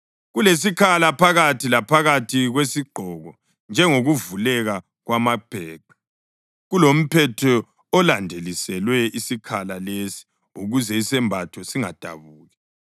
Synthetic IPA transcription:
ɣules̬ikʰalapʰaɣatʰilapʰaɣatʰiɣwesiɡ͡ǃʱɔɣɔ | nd͡ʒʱɛŋoɣuvulɛɣa | ɣwamab̥ʱɛːǃʱḁ | ɣulom̩pʰɛtʰɔ | ɔlandʱelisɛlwɛisikʰalalesi̥ | uɣuzɛisɛmbʱatʰɔsiŋa̰d̥ʱa̰βuːɣɛ

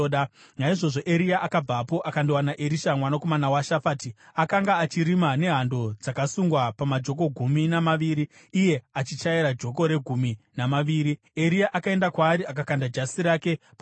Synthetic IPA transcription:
ɗa | naiʐo̞ʐo̞ʔe̞ɾiaʔakab͡vapo̞ʔakandowanaʔeɾiʃamwanako̞manawaʃafaːtiakaŋɡaːt͡ʃiɾimane̞ɦando̞d͡zakasuŋɡwapamad͡ʒo̞k̬o̞ɡʱuminamaʋiːɾiː | je̞at͡ʃit͡ʃaiɾad͡ʒo̞k̬o̞ɾe̞ɡʱumi | namaʋiːɾi | eɾijaʔakae̞ndakwaːɾiakakandad͡ʒasiɾake̞ | p

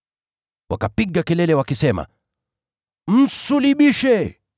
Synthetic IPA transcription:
wʔa̰kapiɠakɛlɛlɛwakisɛma̰ | m̩suliɓiʃɛ

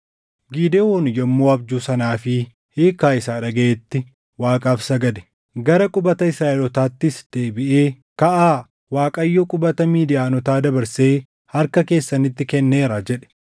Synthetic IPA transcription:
ɡiːd̪eːwoːnɪjɐmːoːɐbd͡ʒuːsɐnaːfɪ | heːkːaːɪsaːᶑɐɡɐeːt̪ːɪ | waːkʼaːfsɐɡɐd̪ɛ̥ | ɡɐɾɐkʼʊbɐt̪ɐɪsɾaːʔɪlɔt̪aːt̪ːɪsd̪̥eːbɪʔe̞ː | kɐʔaː | waːkʼɐjːokʼʊbɐt̪ɐmiːd̪ɪjaːnɔt̪aːd̪ɐbɐɾseː | hɐɾkɐke̞ːsːɐnɪt̪ːɪkɛnːe̞ːɾad͡ʒɛᶑɛ̥

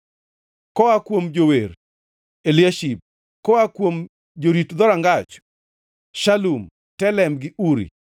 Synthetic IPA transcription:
kɔakwomd͡ʒoweɾ | elɪaʃip̚ | kɔakwom | d͡ʒoɾitd̪ɔɾaŋɡat͡ʃ | ʃalum | tɛlɛmɡɪʔuɾḭ

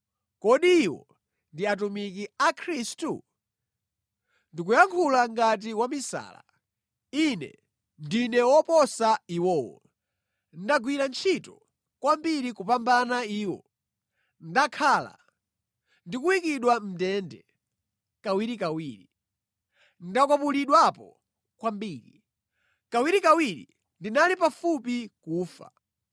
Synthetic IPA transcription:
kɔɗiːwɔ̰ | ndiat̬umikiakʰɾistu | ndik̬ujaŋkʰulaŋɡat̬iwamisa̰ːla̰ | inɛ̰ | ndinɛwɔpɔsaiwɔːwɔ̰ | ndaɡwiɾant͡ʃʰitɔ | kwambiɾikupambanaiːwɔ̰ | ndakʰala̰ | ndikuwikiɗwam̩tɛːndɛ̰ | kawiɾikawiːɾi | ndakwapuliɗwapɔ̰ | kwambiːɾi | kawiɾikawiɾḭ | ndinalipafup̬ikuːfa̰

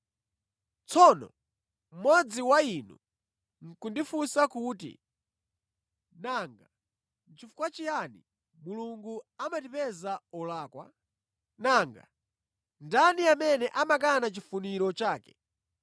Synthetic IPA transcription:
t͡sʰɔnɔ̰ | m̩mwɔd͡ziwainṵ | ŋ̩kundifusakuːtḭ | naŋɡa | nt͡ʃifu̥kwat͡ʃijani | muluŋɡuamatipɛzaɔlaːkwa̰ | naŋɡa̰ | ndaniamɛnɛʔamakanat͡ʃifuniɾɔt͡ʃaːkɛ

